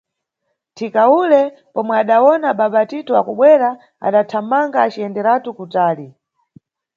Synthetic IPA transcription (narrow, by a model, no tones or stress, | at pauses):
tʰikaulɛ | pɔmwɛaɗawɔnaɓaɓatitɔwakuɓwɛɾa | a̰ɗatʰamaŋɡaːt͡ʃiɛndɛɾatukutaːli